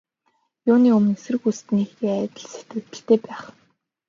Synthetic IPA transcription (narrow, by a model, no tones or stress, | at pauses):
jʊːniːɵmɵ̆nesɘ̆rɘ̆xust̪ɘ̆nixeːæːt̪ʲə̆ɮset̪ɡɘ̆kt̪ɘ̆ɬt̪eːpæːχ